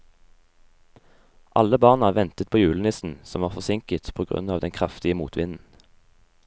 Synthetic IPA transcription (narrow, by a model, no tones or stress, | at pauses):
ʔɑ̰ləbɑːʁnɑʋɛnt̪ət̪̚pʰoːjʉːlən̩ɪsn̩sɔmʋɑːʁfɔsɪŋkət̪pʰoːɡʁʉ̰nɑːʋd̪ɛnkʰʁɑft̪ɪəmuːt̪ʰʋɪnn̩